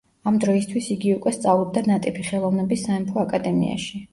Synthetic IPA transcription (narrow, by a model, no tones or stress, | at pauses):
amd̪ɾɔist̪ʰwisiɡiukʼwɛst̪sʼavlˠɔb̚d̪anat̪ʼipʰiχɛlˠɔvnɛbisːaɛmpʰɔakʼad̪ɛmḭa̰ʃi